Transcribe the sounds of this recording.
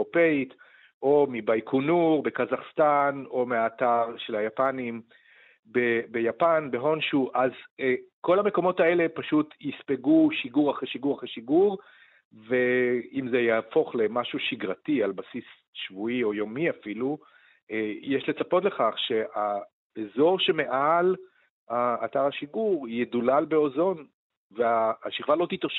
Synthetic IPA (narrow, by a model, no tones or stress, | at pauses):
opeit | ʔo̞mibajkʰunuʁbe̞kazaχst̪ano̞meaːtaʁʃe̞lhajapanim | bebejapanbe̞ɦo̞nʃuʔazko̞lhame̞ko̞mo̞tae̞le̞paʃutjispeɡuʃiɡuʁaχeʃiɡuʁaχeʃiɡuʁ | veimzejafo̞χle̞maʃuʃiɡʁatialbasis | ʃvuio̞jo̞miafilu | jeʃle̞t͡sapo̞tle̞χaχʃe̞a | ezo̞ʁʃe̞me̞ʔal | aːtaʁaʃiɡuʁjedulalbe̞ozo̞n | veaːʃiχvalo̞t̪itoʃ